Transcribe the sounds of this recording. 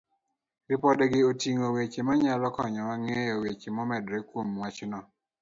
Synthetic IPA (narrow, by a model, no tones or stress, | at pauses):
ɾɪpɔdɡɪotiŋowet͡ʃemaɲalɔkɔɲɔmaŋɛjɔwet͡ʃemɔmɛdɾɛkwomwat͡ʃnɔ